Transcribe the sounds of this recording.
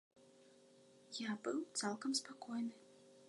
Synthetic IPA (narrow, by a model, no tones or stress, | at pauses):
jabɨwt̪salˠkɐmspakɔjnɨ